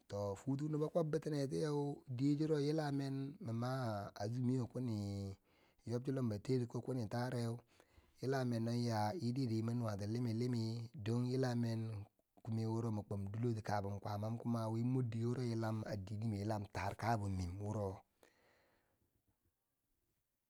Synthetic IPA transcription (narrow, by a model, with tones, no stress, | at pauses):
to˨fu˦t̬u˦nu˦ba˦kʷo˦bi˦ti˦ne˨t̬i˦ja˦u˦di˦d͡ʒi˦ɾo˦ji˦la˦me˦nmi˨ma˦a˨zu˦mi˦jo˨ku˦ni˨ | jo˦b̚t͡ʃi˦lo˦mba˨te˦di˨ko˦ku˦ni˨ta˦ɾe˦u˦ji˦la˦me˨no˦ja˨i˦di˦di˨˦ma˦n˨a˨t̬i˨li˦mi˨li˦mi˦do˦ŋji˦la˦me˦n | ku˦mi˨wu˦ɾo˦mi˨k͡po˨mdu˦lo˦ti˨ka˨bu˨m˨kʷa˨ma˦mku˦ma˨wi˦mo˦di˨˦wu˦ɾo˦ji˦la˦ma̰˨di˨ɡi˦mi˨ji˦la˦mta˨ɾka˦bu˨mi˨mwu˦ɾo˦